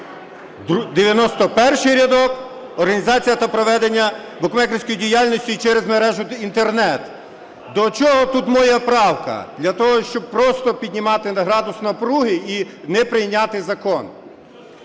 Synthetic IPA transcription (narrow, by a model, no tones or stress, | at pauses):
d̪eʋʲjɐnɔst̪ɔpɛrʃɪjɾʲɐd̪ɔk | ɔrɦɐnʲizɑt͡sʲijɐt̪ɐpɾɔʋɛd̪enʲːɐ | bʊkmɛkɾɪsʲkɔjidʲijalʲnʲɔsʲtʲit͡ʃɛɾezmeɾɛʒʊint̪ernɛt̪ | d̪ɔt͡ʃɔɦɔt̪ut̪mɔjɛpɾɑwkɐ̰d̪lʲɐt̪ɔɦɔʃt͡ʃɔb̚pɾɔst̪ɔpʲidʲnʲimɑt̪ɪnɐɦɾɑd̪ʊsnɐpɾuɦɪinɛpɾɪjnʲːɑt̪ɪzɐkɔn